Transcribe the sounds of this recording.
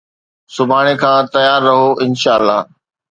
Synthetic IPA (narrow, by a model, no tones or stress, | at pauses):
sʊbʱaːɽ̃ekʰãːt̪ɐjaːɾːɐɦoʔɪnʃaːəlːa̰ː